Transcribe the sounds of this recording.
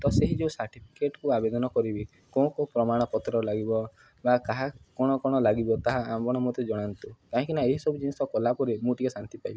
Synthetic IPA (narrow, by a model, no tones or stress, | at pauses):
t̪ɔseɦid͡ʒeusaɾʈipʰi̥keʈɔkuabed̪ɔnɔkɔɾibi | kɔ̃kopɾɔmaɽ̃ɔpɔt̪ɾɔlaɡibɔ | bakaɦakɔ̃ɔkɔɽ̃ɔlaɡibɔt̪aɦaambɔɽ̃ɔmot̪ed͡ʒɔɽ̃ant̪ukaɦĩkinaeɦisɔbud͡ʒinisɔkɔlapɔɾimũʈikesant̪ipajbi